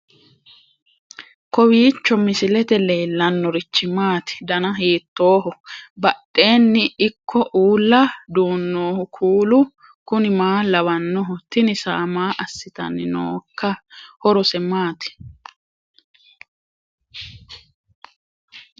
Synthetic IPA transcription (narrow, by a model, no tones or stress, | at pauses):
kɔwiːt͡ʃːɔmɪsɪlɛt̪ɛleːlːɐnːɔɾɪt͡ʃːɪmaːt̪ɪ̥d̪ɐnɐɦiːt̪ːo̞ːɦɔbɐtʼːe̞ːnːɪɪkʰːɔʔuːlːɐd̪uːnːoːhʊkʰuːlʊ | kʊnɪmaːlɐwɐnːɔɦɔt̪ɪnɪsa̰ːmaːʔɐsːɪt̪ɐ̰nːɪno̰ːkːɐhɔɾɔsɛmaːt̪ɪ̥